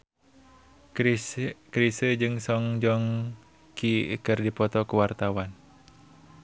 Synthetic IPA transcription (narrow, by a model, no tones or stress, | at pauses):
kɾisəd͡ʒɨŋsɔŋd͡ʒɔŋ | kikɨrdipɔt̪ɔkəwart̪awan